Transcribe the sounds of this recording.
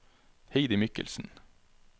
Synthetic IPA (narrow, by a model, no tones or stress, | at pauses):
heɪd̪ɪmʏkə̰lsn̩